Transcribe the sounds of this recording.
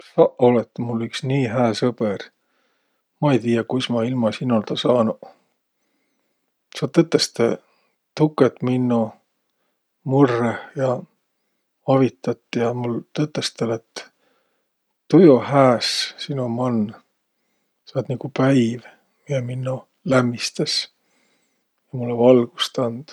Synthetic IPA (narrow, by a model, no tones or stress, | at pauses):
sɑʔolet̪ːmulːyksniːɦæːsɤb̥er | mɑejt̪iːjɑkujsmɑilmɑsinːolt̪ɑsɑːnu | sɑːdt̪ːɤt̪ːˑest̪e | t̪ukːˑet̪minːo | murːehjɑ | ɑvit̪ːˑɑt̪ˑːijɑmult̪ɤt̪ːˑest̪elet̪ː | t̪ujohæːssinomɑnː | sɑːd̪nikupæjv | mieminːo | læmːist̪es | jɑmulːevɑlɡ̥u̥st̪ɑnd̪̥